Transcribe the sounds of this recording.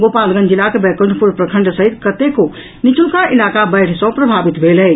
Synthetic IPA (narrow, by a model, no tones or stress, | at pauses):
ɡopalɡə̃nd͡ʒilakebɛkəɳɖʱpuɾpɾəkʰə̃ɳɖsəɦit̪kət̪eko | nit͡ʃukaʔilakabəjʈʰsə̃pɾəbʱabit̪bʱelɛ